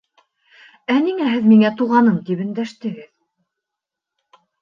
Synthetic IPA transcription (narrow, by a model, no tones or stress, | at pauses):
æniŋæɦɘðmiŋæt̪uʁɑnɤmt̪ipɵ̆nd̪æʃt̪ɘ̆ɡɘð